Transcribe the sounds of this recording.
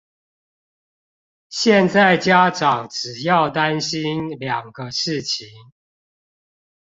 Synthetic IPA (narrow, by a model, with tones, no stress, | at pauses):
ɕjɛ˥˨nt͡sa˥˨ɪt͡ɕja˦ʈ͡ʂɑ˨˩˦ŋʈ͡ʂɻ̩˨˩jɑ˥˨ʊt̪a˦nɕi˦nljɑ˨˩ŋɡə˦ʂɻ̩˥˨t͡ɕʰi˨˦ŋ